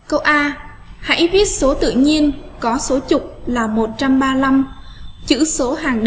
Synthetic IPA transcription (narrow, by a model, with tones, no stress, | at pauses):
kə˧wʔaː˧ | ha̰˧˥jvi˦˥ət̚so˨˦t̪ɨ̰˧˨ɲi˧ənkɔ˨˦so˨˦t͡ɕʊ˨˩k͡p̚laː˨˩mo˨˩t̚t͡ɕa˧mɓaː˧la˧mt͡ɕɨ̰˧˥so˨˦ɦaː˨˩ŋɗ